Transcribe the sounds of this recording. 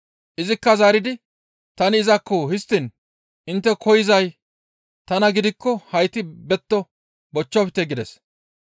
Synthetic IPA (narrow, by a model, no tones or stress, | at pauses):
ʔɪzɪkːɐzaːɾɪd̪ɪ | t̪ɐnɪːzɐkːohɪst̪ːɪn | ʔɪnt̪ːɛkʰɔjɪzɐj | t̪ɐnɐɡɪd̪ɪkːɔhɐjt̪ɪbɛt̪ːɔ | bɔt͡ʃːɔpɪt̪ɛɡɪd̪ɛs